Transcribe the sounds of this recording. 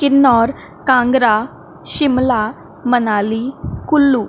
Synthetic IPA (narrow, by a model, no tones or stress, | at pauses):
kinɔɾ | kãŋɡɾa | ɕimla | mənalikulːu